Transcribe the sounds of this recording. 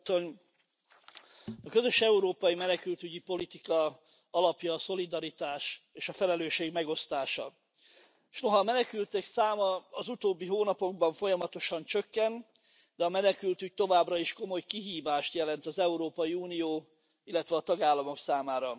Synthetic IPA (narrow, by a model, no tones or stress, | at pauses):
on | ɒkøzø̞ʃɛuɾoːpɒjimɛnɛkylt̪yɟipo̞lit̪ikɒ | ɒlɒpjɒːso̞lid̪ɒɾit̪aːʃeːʃɒfɛlɛløːʃeːɡmɛɡo̞st̪aːʃɒ̰ | ʃno̞ɦɒːmɛnɛkylt̪ɛksaːmɒːzut̪oːbːiɦoːnɒpo̞ɡ̚bɒɱfo̞jɒmɒt̪o̞ʃɒnt͡ʃø̞kːɛn | d̪ɛɒmɛnɛkylt̪yc̚t̪o̞vaːbrɒiʃko̞mo̞jkiɦiːvaːʃt̪jɛlɛnt̪ɒzɛuɾoːpɒjiuːnijoː | ilːɛt̪ʋɛɒːt̪ɒɡaːlːɒmo̞ksaːmaːɾɒ